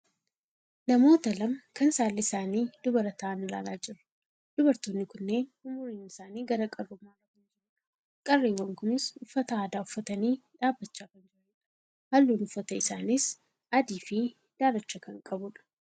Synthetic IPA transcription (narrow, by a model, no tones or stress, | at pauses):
nɐmo̞ːt̪ɐlɐmkɐnsaːlːɪɪsaːniːd̪̥ʊbɐɾɐt̪ɐaːnːɪla̰ːlaːd͡ʒɪɾʊ̥ | d̪̥ʊbɐɾt̪oːnːɪkʊnːe̞ːnʊmʊɾiːnɪsaːniːɡɐɾɐkʼɐrːʊmːaːɾɐbʊnd͡ʒɪɾʊᶑ | kʼɐrːeːwːɐŋkʊnɪsʊfːɐt̪ɐaːd̪aːʊfːɐt̪ɐniːᶑaːbːɐt͡ʃːaːkɐnd͡ʒɪɾɐnɛᶑɐ̥ | hɐlːuːnʊfːɐt̪ɐɪsaːnɪs | ɐd̪iːfɪ | d̪̥aːɾɐt͡ʃːɐkɐŋkʼɐbʊᶑɐ̥